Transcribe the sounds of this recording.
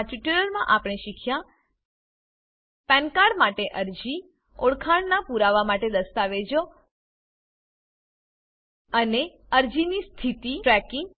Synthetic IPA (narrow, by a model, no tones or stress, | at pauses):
at͡ʃiʈəɾəɾmãʔapɽ̃eʃikʰjã | pɛ̃nkaɽmaʈeʔəɾd͡ʒi | oɽkʰaɳnapuɾaʋamaʈed̪əst̪aʋed͡ʒo | əne | əɾd͡ʒinist̪ʰit̪iʈɾɛkiŋɡ